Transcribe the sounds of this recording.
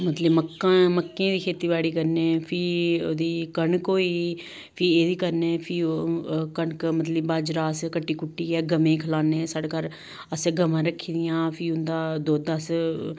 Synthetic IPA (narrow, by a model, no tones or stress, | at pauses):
mət̪ləbməkːãːməkːẽːd̪iːkʰeːt̪iːbaːɽiːkəɾnẽːpʰiːoːd̪iːkəɳkoːiː | pʰiːeːd̪iːkəɾneːpʰi | kəɳkmət̪ləbaːd͡ʒɾaːskəʈːiːkʊʈːiːɛːɡəmẽːkʰəlaːneːsaːɖeːkəɾ | əsɡəmãːɾəkʰːiːd̪ɪjãːpʰiːʊnd̪aːd̪oːd̪as